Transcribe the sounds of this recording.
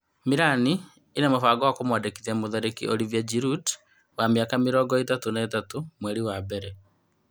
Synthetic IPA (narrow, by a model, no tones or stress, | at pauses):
miɾaniː | namofaːɡɔwakomwadekiðiamoðaɾekḭʔoɾivjad͡ʒiɾut | wamiakamiɾɔːɡɔetatonaetatomwɛɾiwabɛɾɛ